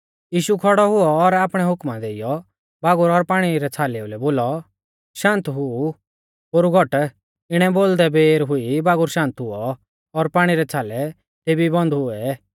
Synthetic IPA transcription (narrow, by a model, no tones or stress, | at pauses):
jiːʃukʰɔɽɔɦʊɔːɾaːpɽ̃ɛɦʊkmad̪eːijɔ | baːɡʊɾɔɾpaːɽ̃iɾɛt͡sʰaːleʊlɛboːlɔ | ʃãːnt̪ɦʊu | ɦoːɾuɡʱɔʈ | ɪɽ̃ɛboːld̪ɛbeːɾɦʊibaːɡʊɾʃãːnt̪ɦʊɔ | ɔɾpaːɽ̃iɾɛt͡sʰaːlɛ | t̪eːbibɔ̃nd̪ɦʊɛ